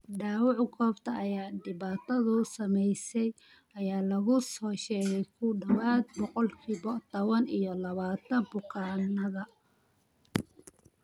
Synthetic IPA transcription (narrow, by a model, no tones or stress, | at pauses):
ɖaːwɑʕkʰɔːft̪ʰɐʔɐjaːɖɪβaːt̪ʰɐðʊsɐmɛjsɛj | ʔɐjaːlɐɣʊsɔːʃɛːɣɛjkʰʊɖɐwaːd̪̚bɔqɔlkʰiːbɔt̪ʰɔβɐnijɔlɐβaːt̪ʰɐbʊqʰɑːnɐðɐ